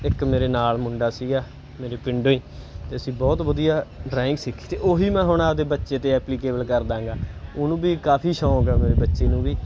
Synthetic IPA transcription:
ɪkmeːɾeːnaːlmʊɳɖaːsiːɡaː | meːɾeːpɪɳɖõːĩːt̪eːəsĩːbɔːt̪ʋəd̪ijaːɖɾaːɪ̃ŋksɪkʰːi̥ːt̪eːʔoːɦiːmɛ̃ːɦʊɳaːd̪eːbətːʃeːt̪eːɛːpliːkeːbəlkəɾd̪ãːŋɡaːʊnũːbiːkaːpʰiːʃãːɡaːmeːɾeːbətːʃeːnũːbiː

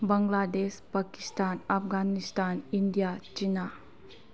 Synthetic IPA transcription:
bəŋɡlad̪espakist̪anəfɡanist̪anind̪jat͡ɕina

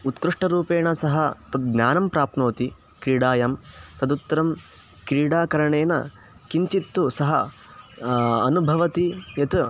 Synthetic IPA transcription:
ut̪kɾɨʂʈɐɾuːpeːɳɐsɐɦɐt̪ɐd̪̚ɡnʲaːnɐmpɾaːp̚t̪noːt̪i | kɾiːɽaːjɐmt̪ɐd̪ut̪ːɐɾɐm | kɾiːɽaːkɐɾɐɳeːnɐ̰ | kiɲt͡ʃit̪ːusɐɦɐ | ɐnubʱɐʋɐt̪ijɐt̪

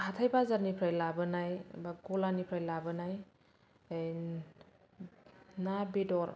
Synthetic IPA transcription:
hatʰajbazaɾnipʰɾajlabɯnajbaɡɔlanipʰɾajlabɯnaj | nabedɔɾ

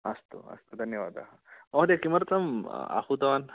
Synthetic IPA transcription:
əst̪o̰ə̰st̪od̪ʱənjəʋad̪a̰ɦamɔɦd̪ekiməɾt͡səma̰hud̪əʋan

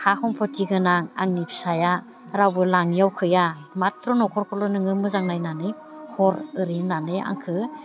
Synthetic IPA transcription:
hahɔŋpʰɔtiɡɯnaŋa̰ŋnipʰsaja | ɾawbɯlaŋjawkʰɯjamatɾɔnɔkʰɔɾkʰɔlɔnɯŋɯmɯzaŋnajnanɯj | hʰɔɾɯɾinanɯja̰ŋkʰɯ

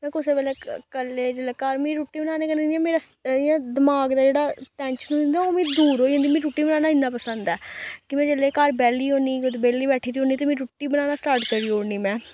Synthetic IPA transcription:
mɛ̃ːkʊseːpɛːlɛːkəlːeːd͡ʒeleːkaɾmĩːɾuːʈːiːbnaːneːkənniɛ̃ːmeːɾaːãːd̪əmaːɡd̪aːd͡ʒeːɽaːt̪ɛ̃ːnʃnũːɪnd̪ãoːmĩːd̪uːɾɦoːiə̃nd̪iːmɛ̃ːɾuʈːiːbənaːnaːɪnːãːpəsənd̪ɛːkɪmɛ̃ːd͡ʒeleːkaːɾbɛːliːɦoːniːt̪beːliːbɛːʈʰiːt̪iːɦoːniːt̪eːmĩːʈuːʈːiːbənaːnaːsʈaːɾʈkəɾiːɦoːniːmɛ̃ː

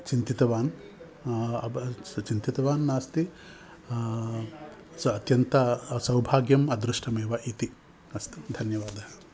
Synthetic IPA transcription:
t͡ʃint̪it̪ɐʋaːn | ɐt͡ʃint̪it̪ɐʋaːnːaːst̪i | ɐt̪jɐnt̪ɐsɐwbʱaːɡjɐmɐd̪ɾuʂʈʰɐmeːʋɐʔit̪i | ɐst̪i̥d̪ʱɐnjɐʋaːd̪ɐɦɐ̥

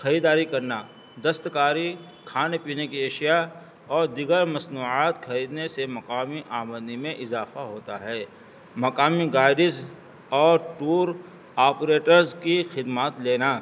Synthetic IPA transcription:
xɐɾiːd̪aːɾikɐɾna | d̪ɐst̪kaːɾi | kʰaːnepiːnekieːʃija | ɔːɾd̪iːɡəɾmɐsnuːaːt̪xɐɾiːd̪nesemɐkaːmiʔaːməd̪nimẽʔɪzaːfaɦoːt̪aɦɛː | mɐkaːmiɡaːɪɖɪs | ɔːɾʈuːɾ | aːpɾeːʈəɾzkixɪd̪maːt̪leːna

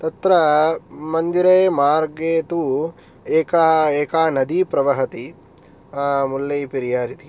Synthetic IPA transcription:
t̪ɐt̪ɾɐmɐnd̪iɾeːmaːɾɡeːt̪u | eːkaːeːkaːnɐd̪ipɾɐʋɐɦɐt̪i | mulːɐjpiɾijaːɾit̪i

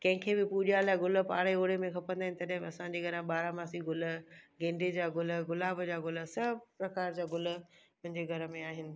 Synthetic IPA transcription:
kɐ̃ɦɪ̃kʰeːbɪpuʄijalaːɪɡʊlə̆pa̰ːɾeoːɽemẽxʰɐpə̃nd̪aːɦɪnɪt̪ɐɗãɦɪ̃mɐsãɲd͡ʑeɡʱɐɾãɓaːɾãmaːsiɡʊl̆ɡẽːɳɖed͡ʑaːɡʊləɡʊlaːbəd͡ʑaːɡʊlə̆sɐbpɾɐkaːɾd͡ʑaːɡʊl̆mʊ̃ɦɪ̃ɲd͡ʑeɡʱɐɾə̆mẽaːɦɪnɪ̆

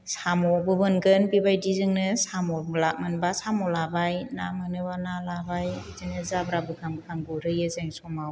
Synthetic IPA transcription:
samɔbɯbɯnɡɯnbibajdizɯŋnɯsamɔlak̚mɯnbasamɔlabajnamɯnɯbanalabajzɯŋɯzabɾabɯɡamkʰaŋɡɯɾɯjɯzaŋsɔmaw

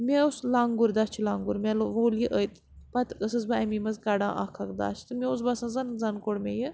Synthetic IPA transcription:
mʲeuslaŋɡuɾd̪ast͡ʃʰilaːŋɡuɾmʲeloʋoːljiʔəjt̪ | pɐt̪əsɨzbɐɐmimɐzkɐɖã̰ːʔɐ̰kʰɐkd̪a̰ːt͡ʃʰt̪ɨmʲeus̬bɐsãːzɐnzɐnkoɽmʲejɨ

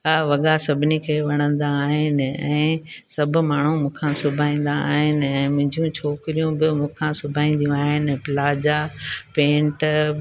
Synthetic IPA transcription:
ɐʋɐɠasɐbʱɪnikʰeːʋɐɽ̃ə̃nd̪aːɦɪnɪ̆ɛ̃ːsɐbʱʊ̆maːɳ̤ũmũːkʰãsʊbʱaːĩːn̆d̪aa̰ːɦɪnɪ̆ɛ̃ːmʊ̃d͡ʑijũt͡ɕʰoːkɪɾijũbɪmũːkʰãsʊbʱaːĩːn̆d̪ijũaːɦɪnɪ̆pɪlaːd͡ʑapẽːɳʈ

